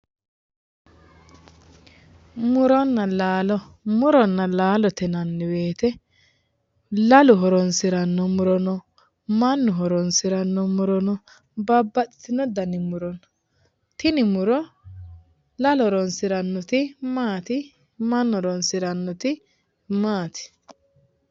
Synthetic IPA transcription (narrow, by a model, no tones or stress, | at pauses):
mʊɾɔnːɐlaːlɔ | mʊɾɔnːɐlaːlɔt̪ɛnɐnːɪweːt̪ɛ | lɐlʊɦɔɾɔnsɪɾɐnːɔmʊɾɔnɔ | mɐnːʊɦɔɾɔnsɪɾɐnːɔmʊɾɔnɔ | bɐbːɐɗɪ̥t̪ɪnɔd̪ɐnɪmʊɾɔn | t̪ɪnɪmʊɾɔ | lɐlɔɾɔnsɪɾɐnːɔt̪ɪmaːt̪ɪ | mɐnːɔɾɔnsɪɾɐnːɔt̪ɪ | maːt̪ɪ̥